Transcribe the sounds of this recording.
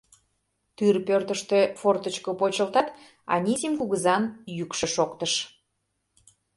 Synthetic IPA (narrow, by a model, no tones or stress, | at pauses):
t̪yrpørt̪əʃt̪efort̪ət͡ɕkəpot͡ɕəlt̪ɑt̪ | ɑ̰nʲisʲimkuɣəzɑnjykʃə̆ʃokt̪əʃ